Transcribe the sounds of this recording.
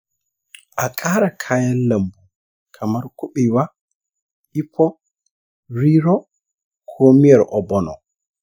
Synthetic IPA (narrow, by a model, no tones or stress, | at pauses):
ʔakʼaːɾakʰajanːambu | kʰamaɾkuɓiwa | ʔipʰːɔ | ɾiɾɔ | kʰoːmijɛɾʔɔbɔnɔ̰